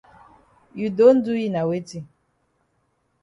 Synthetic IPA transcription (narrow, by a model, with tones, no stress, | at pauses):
ju˨do˦n̩˦du˦ji˦na˨we˦ti˦